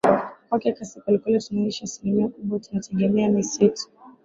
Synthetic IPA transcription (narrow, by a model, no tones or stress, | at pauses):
kwakɛakasikalikalɛtunaiʃaasilimiakuɓwatunatʰɛɠɛmɛamisitu̥